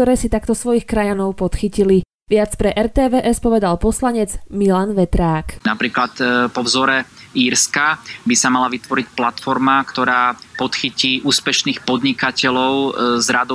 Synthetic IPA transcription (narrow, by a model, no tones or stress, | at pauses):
t̪ɔɾɛːsit̪akt̪ɔsʋɔjixkɾajanɔʊpɔt̪xicili | ʋɪat͡spɾɛʔɛɾt̪ɛːʋɛːʔɛspɔʋɛd̪alpɔslaɲɛd͡zmilanʋɛt̪ɾaːknapɾiːklat̪pɔvzɔɾɛiːɾskabisamalaʋit̪ʋɔɾicplat̪fɔɾmakt̪ɔɾaːpɔt̪xiciːʔuːspɛʃniːxpɔd̪ɲikacɛlɔʊzɾad̪ɔ